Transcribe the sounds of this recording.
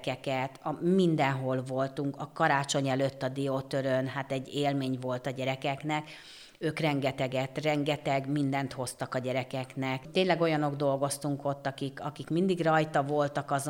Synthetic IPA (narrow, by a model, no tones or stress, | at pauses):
kɛkɛt̪ɒmind̪ɛnɦo̞lvo̞lt̪uŋkɒkɒɾaːt͡ʃo̞ɲɛløt̪ːɒd̪iot̪øɾønɦaːt̪ɛɟːeːlmeːɲvo̞lt̪ɒɟɛɾɛkɛknɛk | øːkrɛŋɡɛt̪ɛɡɛt̪rɛŋɡɛt̪ɛɡmind̪ɛnt̪ho̞st̪ɒkɒɟɛɾɛkɛknɛkt̪ːeːɲlɛɡo̞jɒno̞ɡd̪o̞lɡo̞st̪uŋko̞t̪ːɒkikɒkikmind̪iɡrɒjt̪ɒvo̞lt̪ɒkɒz